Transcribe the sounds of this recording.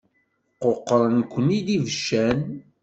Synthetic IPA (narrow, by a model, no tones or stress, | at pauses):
qoqːɾˤənkʷːənid̪ivəʃːæn